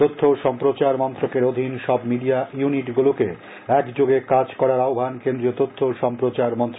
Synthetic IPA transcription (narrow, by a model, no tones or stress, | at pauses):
t̪ot̪ʰːoʃɔmpɾot͡ɕaɾmɔnt̪ɾokeɾod̪ʱinʃɔbmiɖiajuniʈɡuloke | ɛkd͡ʑoɡekad͡ʑkɔɾaɾaobʱankend̪ɾiot̪ot̪ʰːoʃɔmpɾot͡ɕaɾmɔnt̪ɾo